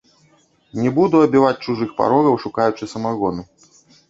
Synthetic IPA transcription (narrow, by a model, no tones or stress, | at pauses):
nʲɛbud̪uɐbʲivat͡sʲt͡ʂuʐɨxpa̰ɾɔɣɐwʂukajut͡ʂɨsɐmaɣɔnu